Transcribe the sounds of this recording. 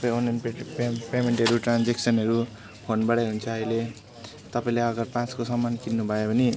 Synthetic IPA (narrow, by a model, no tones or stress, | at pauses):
paonːanpemeɳʈɦʌɾuʈrand͡zeksʌnɦʌɾu | pʰonbaɽʌjɦunt͡sʰʌːile | t̪ʌpaĩleʌɡʌrpãt͡skosʌmːankinnubʱʌjobʱʌni